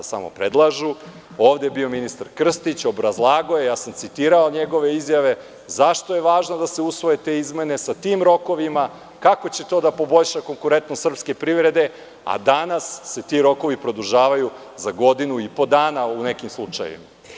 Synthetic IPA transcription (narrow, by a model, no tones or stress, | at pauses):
sa̰mo̞̰pɾed̪lˠaʒu | oːʋd̪ebio̞minist̪aɾkr̩st̪it͡ɕo̞bɾazlˠaːɡoje̞jaːsamt̪sit̪iːɾao̞ɲeɡo̞ʋe̞izjaʋe̞ | zaʃt̪oje̞ʋaːʒnod̪ase̞usʋo̞je̞t̪e̞izme̞ne̞sat̪iːmɾo̞ko̞ʋima | kako̞t͡ɕe̞t̪o̞ːd̪apo̞bo̞ʎʃako̞ŋkuɾe̞nt̪nost̪r̩pske̞pɾiʋɾe̞d̪e̞ | a̰d̪anasːe̞t̪iɾo̞ko̞ʋipɾo̞d̪uʒaːʋaju | zaɡo̞d̪inuipo̞d̪aːnaune̞kimslˠut͡ʃa̰j̰ʋḭma